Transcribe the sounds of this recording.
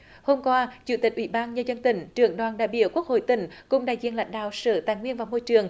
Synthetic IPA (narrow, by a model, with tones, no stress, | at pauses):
ho˧mkwaː˧t͡ɕṵ˧˦t̪ï˨˩k̚ʔwi˧˦ɓaː˧nɲəː˧zə˧nt̪ï˧˩ŋ̟t͡ɕɨ˨˧˩əŋɗwaː˨˩nɗaː˧˨jɓi˧˥əwku˦˥ək̚ho̰˧˨jt̪ï˧˩˦ŋ̟kʊ˨˧˩ŋ͡mɗa̰ː˧˨jzḭ˧˨ənla̰˧˥ŋ̟ɗa̰ː˧˨wsəː˧˩t̪aː˧˨jŋwi˧ənvaː˨˩wmo˧jt͡ɕɨ˨˩əŋ